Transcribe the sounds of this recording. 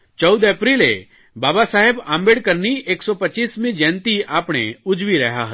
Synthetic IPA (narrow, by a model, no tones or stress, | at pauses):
t͡ʃɔʊd̪eːpɾiːlḛ | baːbasaːɦɪbãːmbeːɽkəɾnieːksɔpəiːsmẽd͡ʒɛ̃ːnt̪iaːpɽ̃ḛʊd͡ʒʋiɾɛɦaɦə